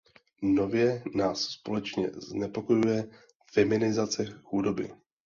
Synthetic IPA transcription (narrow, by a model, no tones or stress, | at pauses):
no̞vjɛnaːsspo̞lɛt͡ʃɲɛ̰znɛpo̞ko̞jujɛ | fɛmɪnɪzat͡sɛxudo̞bɪ̰